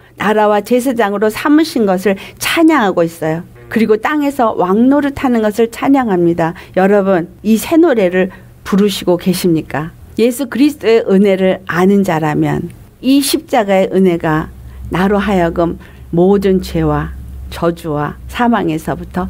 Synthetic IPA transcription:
naɾawat͡ɕes̬ʰed͡ʑaŋɯɾosʰamɯɕʰinɡʌs̬ʰɯɭt͡ɕʰaɲaŋɦaɡois͈ʌjo | kɯɾiɡot͈aŋe̞sʰʌwʔaŋnoɾɯɭtʰanɯnɡʌsʰɯɭt͡ɕʰaɲaŋɦamɲidajʌɾʌbɯnisʰe̞noɾe̞ɾɯɭ | puɾuɕʰiɡoke̞ɕʰimɲik͈a | je̞sʰukɯɾisʰɯ̥t͈oe̞ʔɯne̞ɾɯɾanɯnd͡ʑaɾamjʌ̰n | iɕʰip̚t͡ɕ͈aɡae̞ʔɯne̞ɡanaɾoɦajʌɡɯmː | odɯnt͡ɕe̞wat͡ɕʌd͡ʑuwa̰sʰamaŋesʰʌbutʰʌ

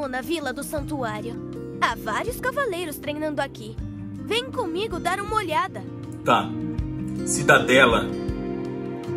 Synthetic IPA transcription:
õnɐvilɐd̪ʊsɐ̃nt̪uaɾjʊ | avaɾjʊskavalejɾʊst̪ɾejnɐ̃nd̪ʊaki | vẽj̃kõmiɡʊd̪aɾũmɐoʎad̪ɐ | t̪a | sid̪ad̪ɛlɐ

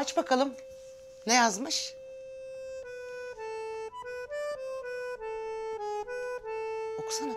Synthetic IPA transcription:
at͡ʃbakʰalˠɯm | nejazmɯʃ | oku̥san

